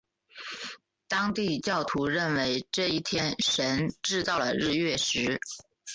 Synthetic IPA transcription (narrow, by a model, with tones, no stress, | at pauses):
t̪ɑ˥ŋt̪i˥˧t͡ɕjɑ˥˩ʊt̪ʰu˧˥ɻə˥˩nwe˧˥ɪʈ͡ʂɤ˥˧i˥˩t̪ʰjɛ˥nʂə˧˥nʈ͡ʂɻ̩˥˧t̪ɑ˥˩ʊlə˩ɻɻ̩˥˧ɥɛ˥˩ʂɻ̩˧˥